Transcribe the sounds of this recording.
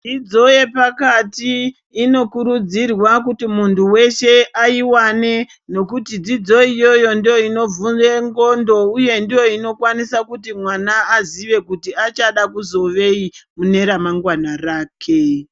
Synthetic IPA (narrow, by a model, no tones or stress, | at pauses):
id͡zo̞je̞pakatiː | no̞kuɾud͡zirwak̬utimuntʰuwe̞ʃe̞ʔaiwane̞ | no̞kutid͡zid͡zo̞ijo̞jo̞ndijo̞ino̞vuneŋɡo̞ndo̞uje̞ndijo̞ino̞kwanisakutimwanaːziʋe̞kutiat͡ʃaɗakuzo̞ʋe̞imune̞ɾamaŋɡwanaraːkʰe̞